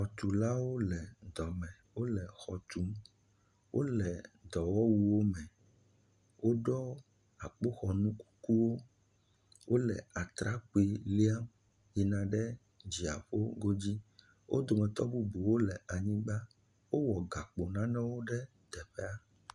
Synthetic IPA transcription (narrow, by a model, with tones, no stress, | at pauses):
xɔ˨t̪u˨la˦wo˦lɛ˨d̪ɔ˨mɛ̃˨wo˦lɛ˨xɔ˨t̪u˨˦m | wʔo˦lɛ˨d̪ɔ˨wɔ˦wu˦wo˦mɛ̃˨ | wʔo˦ɖɔ˦ | a˨k͡po˦xɔ˨nũ˦ku̥˦ku˦wo˦ | wʔo˦lɛ˨a˨t̪ɾa˦k͡pu˨˦i˨li˦a˦m | ji˨nã˨ɖɛ˦ | d͡ʑi˨a̰˨ɸo˦ɡo˦d͡ʑi˦ | wʔo̰˦d̪o˨mɛ̃˨t̪ɔ˦bu˦bu˨wo˦lɛ˨a˨ɲĩ˦ɡ͡ba˦ | wo˦wɔ˨ɡa˨k͡po˨nã˦nɛ̃˦wo˦ɖɛ˦ | d̪̥ɛ˨ɸɛ˦a˦